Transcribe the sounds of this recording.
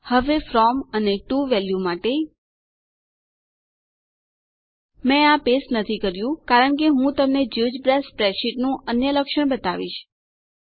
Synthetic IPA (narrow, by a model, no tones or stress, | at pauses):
həʋefɾɔməneʈuʋɛljumaʈe | mɛ̃apesnət̪ʰikəɾjũkaɾəɳk̬eɦũt̪əmned͡ʒud͡ʒbɾɛspɾɛʃiʈnũʔənjələkʃəɳ̃bət̪aʋḭʃ